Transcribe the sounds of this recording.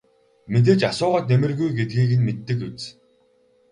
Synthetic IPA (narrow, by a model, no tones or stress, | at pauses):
met̪̬eːt͡ɕasʊːʁaːt̪nemɘ̆rɣujɡet̪̚ɡiːɣɘ̆nmet̪ːɘ̆kut͡s